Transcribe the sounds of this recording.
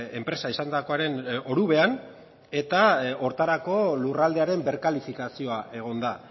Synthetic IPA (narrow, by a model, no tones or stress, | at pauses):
e̞mpɾe̞saisand̪ako̞aɾe̞no̞ɾuβe̞an | e̞t̪ao̞ɾt̪aɾako̞lurald̪e̞aɾe̞mbe̞ɾkalifikasio̞aʔe̞ɣ̞o̞nd̪a